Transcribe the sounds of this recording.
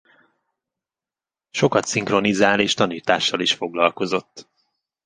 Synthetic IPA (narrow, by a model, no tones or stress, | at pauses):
ʃo̞kɒt̪siŋkro̞nizaːleːʃt̪ɒniːt̪aːʃːɒliʃfo̞ɡlɒlko̞zo̞t̪ː